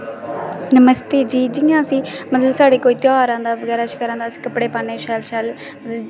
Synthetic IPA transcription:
nəməst̪eːd͡ʒiːd͡ʒɪjãːəsĩːməd̪əlsaːɽeːkoːiːt̪jaːɾãːnd̪aːʋəɡɛːɾaːt͡ʃkəɾãːd̪aːsĩ̥ːkəpɽeːpaːneːʃɛːlʃɛːl | məd̪l

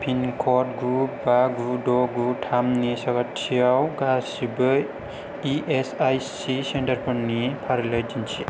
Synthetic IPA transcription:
pʰinkʰɔt̚ɡubaɡudɔɡutʰamnisaɡatʰijawɡasibɯ | iʔesajsisentaɾpʰɯɾnipʰaɾlajd͡ʒinsʰi

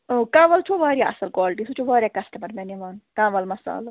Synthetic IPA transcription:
okãːʋɐlt͡ʃʰoʋaːɾʲjaʔɐ̰sɐlkwaːlʈisut͡ʃʰuʋaːɾʲiakɐsʈɐmɐɾmeniʋaːnkãːʋɐlmɐsa̰ːlɐ

